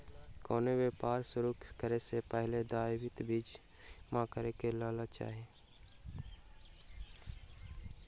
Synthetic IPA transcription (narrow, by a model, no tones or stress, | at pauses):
kɔːneweːpaːɾsʊɾukkəɾesepəɦled̪aːɪwɪt̪bʱiːd͡ʒ | mãkəɾekelaːlat͡ʃa̰ːɦeː